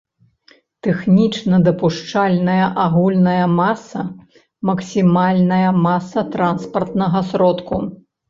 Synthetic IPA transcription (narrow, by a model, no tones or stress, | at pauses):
t̪ɛxnʲit͡ʂnɐd̪ɐpuʂt͡ʂalʲnɐjɐʔaɣulʲnɐjɐmasɐ | mɐksʲimalʲnɐjɐmasɐt̪ɾanspɐrt̪nɐɣɐsɾɔt̪ku